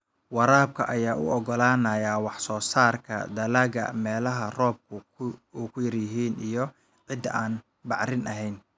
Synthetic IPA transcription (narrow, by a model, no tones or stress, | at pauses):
wɑɾaːb̚kʰɐ̰ʔɐjaːʔʊ̰ɔɡɔlaːnɐjaːwɑħsɔːsaːrkʰɐ̰d̪ɐlaɣɐ̰mɛːlɐɦɐrɔːb̚kʰʊ | uːkʰʊjɐrjɪɦiːnijɔ | ʕɪd̪ɐaːn | bɑʕɾɪnʔɐɦɛjn